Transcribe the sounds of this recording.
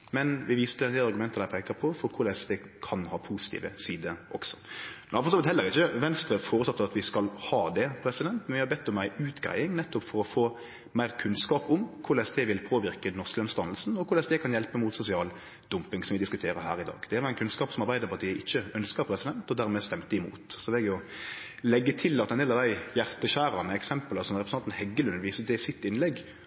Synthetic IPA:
mɛnʋɪʋiːst̪əd̪ɛnd̪ɛɑɾʁɡʉmɛnt̪əd̪æɪpʰɛːkəpʰɔfɔɾkʰʊlɛsd̪ɛ | kʰɑnhɑːpʰusɪ̥t̪ʰḭːʋəsiːd̪əʔɔksɔ̥nfɔʁsɑmbət̪hɛlːəɾɪçːəʋɛnst̪ɾəfoːɾətsɑt̪ːəɑt̪ʋɪskɑlhɑːd̪ɛpʰɾɛsɪd̪ɛnt̪mɛnʋjɪhɑɾbɛt̪ːɔmːæɪʔʉːt̪ɡɾæ̰ɪɪŋnɛt̪ːʊpfɔɾɔfoː | mæɪʁkʰʉnskɑːpʊmkʰʊɾlɛsd̪ɛʋɪlpʰoːʋɪɾkənɔʁskləɔmst̪ɑnl̩sn̩ɔkʰʊɾlɛsd̪ɛkʰɑnjɛlpəmʊt̪sʊsɪɑːl | d̪̥ʊmpɪŋsɔmʋɪd̪ɪskʉt̪ʰeːɾəɦæːɾɪd̪ɑ̰ːɡd̪̥ɛʋɑɛɪnkʰʉnskɑːpsɔmɑɾbæɪd̪əpʰɑt̪ʰiːəɪçːəœnskəɾpʰɾɛsɪd̪ɛnt̪ɔd̪æːɾmɛst̪ɛmt̪əɪmṵːt̪sɔʋɛɡjʊ | lɛɡːət̪ʰɪlɑt̪ːɛnd̪eːlɑʋd̪æɪjæɾt̪əɕæːɾɑnəɛksɛmpələsɔmɾɛpɾsnɑnt̪n̩hɛɡːəlʉnːʋiːsəd̪ɛsɪt̪ːɪnlɛɡ

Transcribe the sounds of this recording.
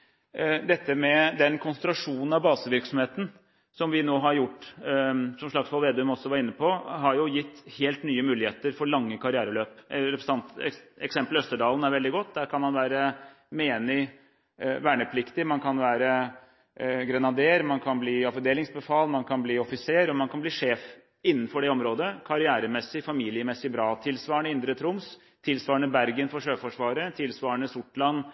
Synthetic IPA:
d̪ɛt̪ːəmɛd̪ɛnkʰʊnsənt̪ɾɑʂuːnn̩ɑʋbɑːsəʋɪɾksɔmheːt̪ən̩ | sɔmʋɪnoːɦɑɾjʊʈː | sɔmʂɭɑksʋɔlʋeːd̪œmɔsːɔʋɑɾɪnːəpʰɔɦɑɾjʊjɪt̪ːheːlt̪nyːəmʉːlɪheːt̪əɾfɔɾɭɑŋːəkʰɑɾɪæːɾəløːpɾɛpɾsɑnt̪ɛɛksɛmplœst̪əɖɑːlən̩æɾʋɛld̪ɪɡɔt̪ːd̪æːɾkʰɑnmɑnʋæːɾə | meːnɪ | ʋæːɳəpʰlɪkt̪ɪmɑnkʰɑnʋæːɾə | ɡɾɛnɑd̪eːɾmɑnkʰɑnbliːɑfd̪eːlɪŋsbəfɑːlnmɑnkʰɑnbliːɔfɪseːɾɔmɑnkʰɑnbliːʂeːf | ɪnːən̩fɔɖɛɔmɾoːd̪əkʰɑɾɪæːɾəmɛsːɪfɑmiːlɪəmɛsːɪbɾɑːt̪ʰɪlsʋɑːəɳəɪnd̪ɾət̪ʰɾʊms | t̪ʰɪlsʋɑːəɳəbæɾɡənfɔɾʂøːfɔʂʋɑːɾət̪ʰɪlsʋɑːəɳəsʊʈlɑnː

